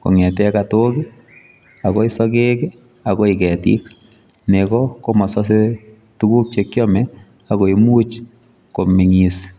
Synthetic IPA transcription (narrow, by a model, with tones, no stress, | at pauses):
ko̰˨ŋɛ˨tɛ˦kato˦kɪ˦ | a˨ko˦i˦sɔ˦ke˦ke˦ | a˨ko˦ikɛ˨tḭ˦k | ne˨kɔko˦mɔ˨sɔ˦s̬e˦ | tu˦ku˦k̚t͡ʃekjɔ˦mɛ | a˨ko˨imu˦t͡ʃ | ko˨mi˨ŋis